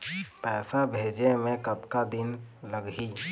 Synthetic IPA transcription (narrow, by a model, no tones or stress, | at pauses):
pɛːsabʱeːd͡ʒemẽkət̪kad̪ɪnləɡɦi